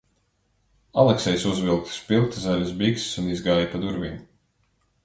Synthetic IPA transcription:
alˠɛksɛjsuzvilˠk̚t̪spilˠk̚t̪zalʲazbikssunizɡaːjapad̪uɾvim

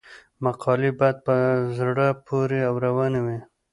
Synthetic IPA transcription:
maqʰɑlibad̪̚pəzɽapʰoɾeawɾawanawi

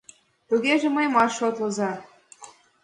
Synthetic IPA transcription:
t̪uɣeʒĕməjmɑʃot̪lɤ̆zɑ

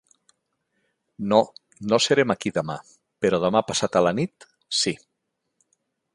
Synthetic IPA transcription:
no | nosəɾemakiðəma | peɾɔðəmapasat̪əlanit̪ | si

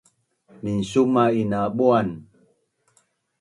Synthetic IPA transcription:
minsumainaɓoan

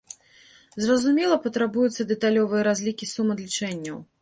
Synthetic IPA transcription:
zrɐzumʲɛlˠɐpɐt̪ɾabujut̪sːɐd̪ɛt̪alʲɔvɨjɐɾazʲlʲikʲisumɐd̪lʲit͡ʂɛnʲːɐw

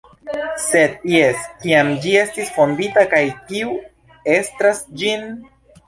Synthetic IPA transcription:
se̞d̪je̞skiamd͡ʒie̞stisfo̞nditakajkiu | e̞stɾasd͡ʒin

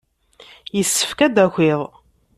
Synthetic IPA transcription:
jəsːə̥fkæd̪æxʷɪðˤ

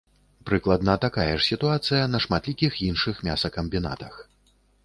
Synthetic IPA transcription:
pɾɨklˠɐd̪nɐt̪akajɛʂsʲit̪uat̪sɨjɐnɐʂmat̪lʲikʲixjinʂɨxmʲa̰sɐkɐmʲbʲina̰t̪ɐx

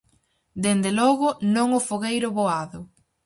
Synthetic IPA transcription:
d̪end̪elɔɣʊnõŋʊfoɣejɾʊβoaðʊ

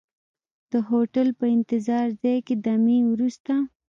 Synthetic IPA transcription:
d̪̥əɦoʈalpəɪnt̪ɪzɑɾzɑjked̪amiwɾust̪a

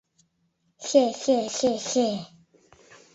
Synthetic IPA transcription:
ɕjɛɕjɛɕjɛɕjɛ

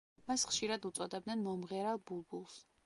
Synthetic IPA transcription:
masχʃiɾad̪ut̪sʼɔd̪ɛbd̪nɛnmɔmʁɛɾalˠbulˠbulˠs

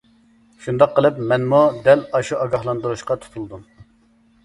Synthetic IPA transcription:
ʃund̪ɑqʰːəlˠɨpmɛnmud̪ɛlɑʃuʔɑɡɑhlˠɑnd̪uɾuʃqɑt̪ʰu̥t̪ʰulˠd̪um

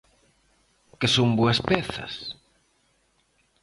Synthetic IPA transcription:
kɪsomboɐspɛθɐ̰s

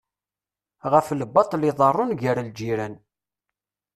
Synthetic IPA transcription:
ʁəfləbːɑt̪ˤliðˤərˤːʊnʝəɾald͡ʒiɾæn

